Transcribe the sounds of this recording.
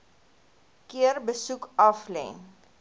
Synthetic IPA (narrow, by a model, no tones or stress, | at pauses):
kiərbəsukɐflɛ̰n